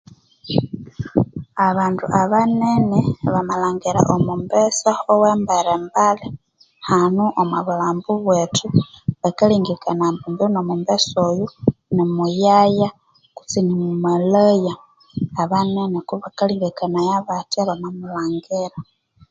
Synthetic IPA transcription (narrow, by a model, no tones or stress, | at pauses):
aβaːntuʔaβaneneβamalaːŋɡiɾa̰ʔomumbesaowembaɾembale | hanuʔomwaβulaːmbuβwetʰuβakaliːŋɡikanambumbiunomumbesojunimujaja | ku̥t͡sinimumwelajaː | βanenekuβakaliːŋɡikanajaβatiaβamamulaːŋɡeɾa